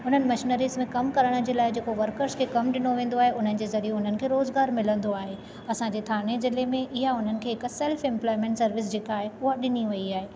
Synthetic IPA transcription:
ʊn̤ənɪ̆mɐʃɪnəɾiːzmẽkɐmkɐɾəɽ̃ə̆d͡ʑeːlaːɪd͡ʑeːkoʋɐɾkəɾskʰeːkɐmɗɪnoʋẽːn̆d̪oaːɦeʊn̤ənɪ̆d͡ʑeːzɐɾieɦʊn̤ənɪ̆kʰeːɾoːzɡaːɾmɪlə̃nd̪oaːɦe | ɐsãɲd͡ʑeːt̪ʰaːnezɪlemẽʔɪɦaʊn̤ənɪ̆kʰeːɦɪksɛːlfɛ̃mplɔːɪmẽːɳʈsɐɾʋɪs̬d͡ʑeːkaːɦeʊɦaɗɪniʋɐiaːɦeː

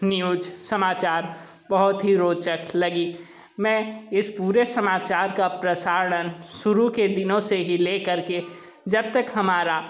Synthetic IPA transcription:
njuːd͡ʒsəmaːt͡ʃaːɾ | bɐɦʊt̪ɦiɾoːt͡ʃəklɐɡi | mɛ̃ɪspuːɾesɐmaːt͡ʃaːɾkapɾəsaːɾɳ̃ənʃʊɾuked̪ɪnõseɦileːkɐɾke | d͡ʒɐb̚t̪ɐkɦɐmaːɾa

